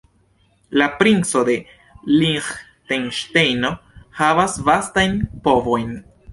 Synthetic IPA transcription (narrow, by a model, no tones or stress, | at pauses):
lapɾinsod̪e̞ | liŋx | t̪enʃtejnohavasvast̪ajnpovojn